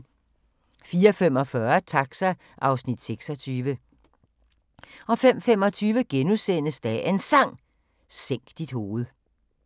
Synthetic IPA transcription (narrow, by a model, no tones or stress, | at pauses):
fiːɐfem̰ɒ̽fɶɐt͡sʰɑ̈ɡ̥sæ | ʔɑ̈ʊsnid̥seɡ̥sɒ̽t͡sʰyːʋə | ɒ̽fem̰fem̰ɒ̽t͡sʰyːʋəɡ̥enusen̰əsd̥æʔensɑ̈ŋ̰ | seŋ̰ɡ̥d̥id̥ho̝ːð̞̩ˠ